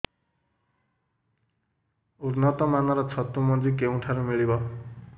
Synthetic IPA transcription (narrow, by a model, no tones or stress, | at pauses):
urnʌt̪ɔmanʌɾʌt͡sʰʌt̪ːumʌd͡zikeũʈʰaɾumiɭibʌ